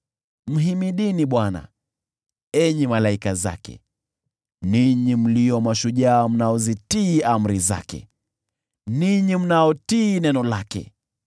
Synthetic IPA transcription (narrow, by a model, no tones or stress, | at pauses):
m̩ɦimiɗiniɓwana̰ | ɛɲimalaikaza̰kɛ̰ | niɲim̩lijɔmaʃuʄaːm̩naɔzitiːam̩ɾiza̰kɛ̰ | niɲim̩naɔtiːnɛnɔlakɛ̰